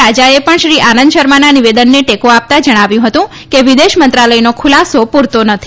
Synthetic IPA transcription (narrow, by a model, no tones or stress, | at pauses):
ad͡ʒaepəɳʃɾiʔanənd̪ʃəɾmananiʋed̪ənːeʈekoap̚t̪ad͡ʒəɽ̃aʋjũɦət̪ũ | keʋid̪eʃmənt̪ɾaləjinokʰʊlasopuɾt̪onət̪ʰi